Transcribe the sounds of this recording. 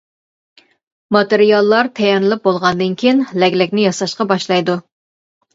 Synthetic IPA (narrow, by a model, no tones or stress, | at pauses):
mɑt̪ɨɾijɑlˠːɑɾt̪ʰɛjɛnɨlˠɨp̚bolˠʁɑnd̪ɨnkʲʰijinlɛkʲlɪkʲnɪjɑsɑʃqɑbɑʃlˠɑjd̪u